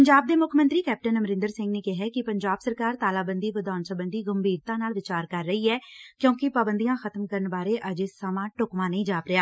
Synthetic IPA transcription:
pəɲd͡ʒaːb̚d̪eːmʊkʰmə̃nt̪ɾiːkɛːp̚ʈənəməɾɪ̃nd̪əɾsɪ̃ŋɡneːkɪɦɛːkɪpəɲd͡ʒaːbsəɾkaːɾt̪aːlaːbənd̪iːʋəd̪aːnsəbənd̪iːɡəmbʱiːɾt̪ãːnaːlʋɪt͡ʃaːɾkəɾːəiːɛːkjõːkɪpaːbənd̪ijãːxʰət̪əmkəɾənbaːɾeːʔəd͡ʒesəmãːʈʊkmãːnəĩːd͡ʒaːpɾeɪaː

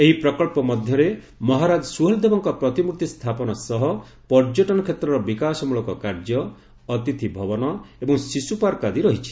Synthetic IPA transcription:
eɦipɾɔkɔɭpɔmɔd̪ʱjɔɾe | mɔɦaɾad͡ʒɔsuɦɔld̪ebɔŋkɔpɾɔt̪imukt̪ist̪ʰapɔnɔsɔɦɔ | pɔɾd͡ʒoʈɔnɔkʰet̪ɾɔɾɔbikasɔmuɭɔkɔkaɾd͡ʒjɔː | t̪it̪ʰibʱɔbɔnɔebɔŋsisupaɾkad̪iɾɔɦit͡ʃʰi̥

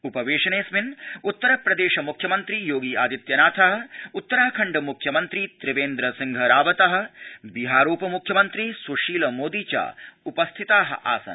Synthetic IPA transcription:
upɐʋeːʂɐneːsminut̪ːɐɾɐpɾɐd̪eːʃɐmukʰjɐmɐnt̪ɾijoːɡiːaːd̪it̪jɐnaːt̪ʰɐɦɐ̆ut̪ːɐɾaːkʰɐɳɖɐmukʰjɐmɐnt̪ɾit̪ɾɪʋeːnd̪ɾɐsiŋɡʱɐɾaːʋɐt̪ɐɦɐ̆biɦaːɾoːpɐmukʰjɐmɐnt̪ɾisuʂiːlɐmoːd̪iːt͡ʃa̰ːupɐst̪ʰit̪aːɦɐ̰̆ʔa̰ːsɐ̰n

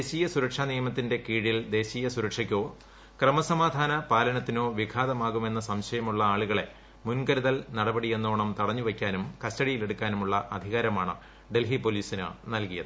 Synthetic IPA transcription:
eːɕiːjɐsuɾɐkʂaːnijɐmɐt̪ːinde̞kiːɻild̪e̞ːɕiːjɐsuɾɐkʂɐkʲːo̞ː | krɐmɐsɐmaːd̪ʱaːnɐpaːlɐnɐt̪ːino̞ːʋikʰaːðɐmaːɣume̞nːɐsɐmɕɐjɐmuɭːɐaːɭuɣɐɭe̞ | munkɐɾuðɐlnɐɽɐbɐɽie̞nːoːɳɐmt̪ɐɽɐɲːuʋekʲːaːnumkɐstɐɽijile̞ɽukʲːaːnumuɭːɐʔɐd̪ʱiɣaːɾɐmaːɳɨ̰ | ɖe̞lɦipo̞liːsinɨ̰nɐlkijɐðɨɨ

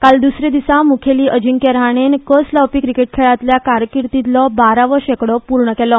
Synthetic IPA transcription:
kald̪usɾed̪isãmukʰeliːʔəd͡ʑiŋkeɾɦaɳ̃enkəslawpiːkɾikeʈ̚kʰɛɭat̪ljakaɾkiɾt̪it̪lɔbaɾaʋəɕekɽɔpuɾɳəkɛlɔ

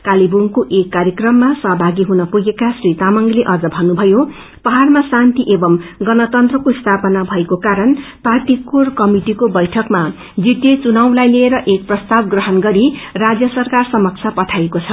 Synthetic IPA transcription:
kalibuŋkoʔekːaɾjʌkrʌmːasʌɦbʱaɡiɦunʌpuɡekasrit̪amʌŋɡleʔʌd͡zʌbʱʌnubʱʌjo | pʌɦarmasant̪iʔebʌmɡʌnʌt̪ʌnt̪rʌkoist̪ʰapʌnabʱʌekokaɾʌnpart̪ikorkʌmiʈikobʌjʈʰʌkma | d͡zit̪jet͡sunaw̃lajleeɾʌʔek̚prʌst̪abɡrʌɦʌnɡʌɾirad͡zjʌsʌrkarsʌmʌk̚t͡sʰjapʌʈʰajekot͡sʰʌ

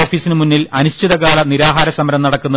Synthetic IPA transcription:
oːfiːsinɨmunːilɐnuɕtʰiðɐkaːɭɐniɾaːɦaːɾɐsɐmɐɾɐmnɐɽɐkːunːɐ

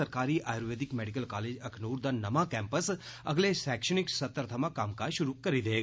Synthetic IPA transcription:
əɾkaɾiʔʔajɾʋed̪ɪkmeɖikəlkaled͡ʒəkʰnuɾd̪ənəmãkɛ̃mpəsə̰ɡlesɛkʃəniksət̪ːəɾt̪ʰəmãkaːmkaʃʊɾukəɾid̪eɡ

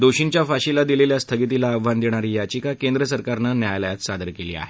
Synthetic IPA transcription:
d̪oɕint͡ɕjafaɕilad̪ileljast̪ʰəɡit̪ilaːʋʋand̪eɽ̃aɾiːjat͡ɕiːkakend̪ɾəsəɾkaɾnənjajləjat̪sad̪əɾkelḭːa̰ɦe

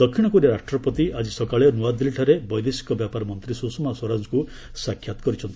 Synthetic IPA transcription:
d̪ɔkʰːiɽ̃ɔkɔɾiaɾaʂʈɾɔpɔt̪iad͡ʒisɔkaɭenuwad̪ilʈʰaɾebɔjd̪esi̥kɔbjapaɾɔmɔnt̪ɾisusɔmaswɔɾand͡ʒɔku | sakʰːjat̪ɔ̥kɔɾit͡ʃʰɔnt̪ii

